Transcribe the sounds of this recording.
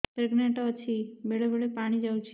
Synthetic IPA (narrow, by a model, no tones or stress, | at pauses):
pɾeɡnẽʈot͡ʃʰimeɭobeɭepaɽ̃id͡ʒawt͡ʃʰ